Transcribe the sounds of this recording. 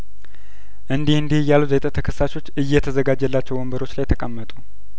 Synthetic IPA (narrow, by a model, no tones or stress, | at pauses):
ʔɨnd̪ihɨnd̪ijaluzəjt̪ʼət̪ʰəkʰəsːat͡ʃo̞t͡ʃːɨjːɛt̪ʰəzəɡad͡ʒːɛlːat͡ʃːɛwɔmbəɾo̞t͡ʃːlajt̪ʰəkʼəmːət̪ʼu